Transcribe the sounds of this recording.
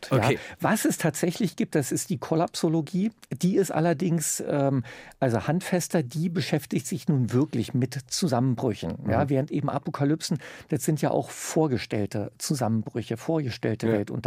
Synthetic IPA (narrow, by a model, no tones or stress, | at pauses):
jaːvasɛstʰaːtz̥ɛçlɪçɡ̥iːp̚td̥asɪstd̥iːkʰolapsoloɡiːd̥iːɪstʔa̰lɐdɪŋsʔɛːmʔalzohantfɛstɐdiːbəʃɛftɪçtz̥ɪçnuːnvɪɐklɪçmɪtt͡suzamənbʁʏçn̩jaːvɛːʁ̞əntʔeːbm̩ʔa̰pokʰalʏpsn̩d̥asz̥ɪntjaːʔa̰ʊxfoːɐɡəʃtɛ̰ltət͡suzamənbʁʏçəfoːɐɡəʃtɛ̰ltəvɛltʊ̰nt